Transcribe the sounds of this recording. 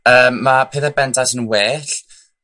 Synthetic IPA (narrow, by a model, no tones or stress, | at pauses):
əːmːapʰeːðabɛntʰasənweːɬ